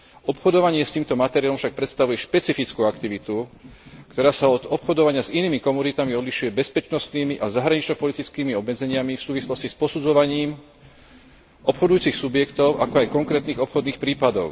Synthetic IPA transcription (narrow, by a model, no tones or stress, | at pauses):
ɔpxɔd̪ɔʋaɲɪɛst̪iːmt̪ɔmat̪ɛɾijalɔmfʃak̚pɾɛt̪st̪aʋujɛʃpɛt͡sifit͡skuakt̪iʋit̪ukt̪ɔɾaːsaɔd̪ɔpxɔd̪ɔʋaɲɪaziniːmikɔmunit̪amiɔd̪liʃujɛbɛspɛt͡ʃnɔst̪niːmiʔazaɦɾaɲit͡ʃɲɔpɔlit̪it͡skiːmiɔbmɛd͡zɛɲɪamifsuːʋislɔscispɔsud͡zɔʋaɲiːm | ʔɔpxɔd̪ujuːt͡sixsubjɛkt̪ɔʊʔakɔajkɔŋkɾɛːt̪niːɣɔpxɔd̪niːxpɾiːpad̪ɔʊ